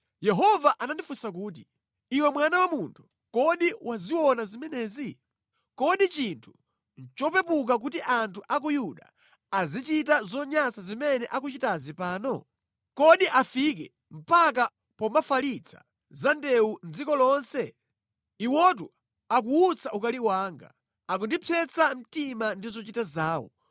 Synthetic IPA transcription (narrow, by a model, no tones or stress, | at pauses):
jɛɦɔvaʔanandifusak̬uːt̬i | iwɛmwanawamuntʰu̥ | kɔɗiwaziwɔnazimɛnɛːzi | kɔɗit͡ʃintʰu̥ | nt͡ʃɔpɛpuk̬ak̬utiʔantʰuʔak̬ujuɗa̰ | azit͡ʃitazɔɲasazimɛnɛʔak̬ut͡ʃitazipaːnɔ | kɔɗiʔafikɛ | m̩paka | pɔmafalit͡sʰḁ̰ | zandɛund͡zikɔlɔnsɛ | iwɔt̬u | ak̬uːt͡sʰaʔukaliwaːŋɡa̰ | ak̬undipʰɛt͡sam̩timandizɔt͡ʃitazaːwɔ̰